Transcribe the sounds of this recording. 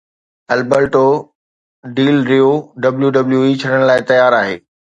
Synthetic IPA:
ɐlbəɾʈo | ɖiːlɾijoɖɐbljuɖɐbljuit͡ɕʰɐɽəɽ̃laːɪt̪ɐjaːɾaːɦḛː

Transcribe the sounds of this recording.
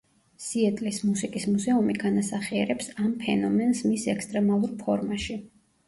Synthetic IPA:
siɛt̪ʼlismusikʼismuzɛumiɡ̥anasaχiɛɾɛpsampʰɛnɔmɛnsmisɛkst̪ʼɾɛmalˠuɾpʰɔɾmaʃi

